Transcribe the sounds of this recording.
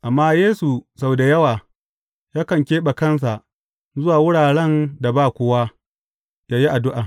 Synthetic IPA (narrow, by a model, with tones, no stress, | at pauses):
ʔa˨mːaː˦jeː˦su˨sa˨wda˨jɐ˦waː˨ | jaː˦kɐ˨ŋkʲeː˦ɓa˨kɐ˦ns̬a˨ʔ | zʊ˦waː˨wʊ˦ɽaː˨ɽɛ˦nda˨baː˦˨kʷʊ˦wa˦ | jaː˦ji˦ʔa˨dʊ˦ʔaː˨